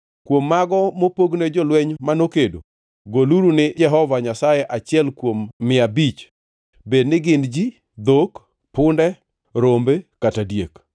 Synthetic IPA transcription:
kwomːaɡɔmopoɡned͡ʒɔlwɛɲmanokedo̰ | ɡoluɾunɪd͡ʒɛɦɔvaɲasajɛʔat͡ʃɪɛlkwomːɪabit͡ʃ | bednɪɡɪndd͡ʒi | d̪ok | pʊndɛ | ɾombekatadjek

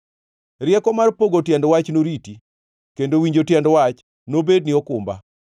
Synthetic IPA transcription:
ɾɪɛkɔmarpoɡotjɛndwat͡ʃnoɾiti | kendowiɲd͡ʒotjɛndwat͡ʃ | nobed̚niɔkʊmba̰

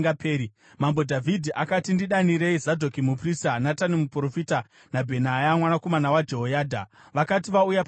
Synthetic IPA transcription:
apeːɾi | mambo̞dʱavʱidʱiʔakatindiɗaniɾeizadʱo̞kimupristanatanimupro̞fita | nabʱe̞najamwanako̞manawad͡ʒeɦojaːdʱa̰ | ʋakatiʋaujap

